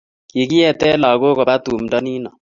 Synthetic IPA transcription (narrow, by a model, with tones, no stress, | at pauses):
ki˨ki˦ɛ˨tɛ˦la˨ɡo˦ko˨ba˦tu˨m˨dɔ˦ni˦nɔ˨